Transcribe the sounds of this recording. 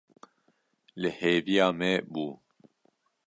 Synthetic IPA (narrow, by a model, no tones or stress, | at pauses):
lɨheːvijaːmɛbuː